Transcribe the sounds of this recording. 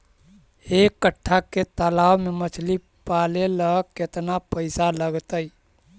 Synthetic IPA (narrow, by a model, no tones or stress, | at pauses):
ekːəʈʰːaket̪əlaːwmemət͡ʃʰli | paleləket̪napəɪsaləɡt̪əj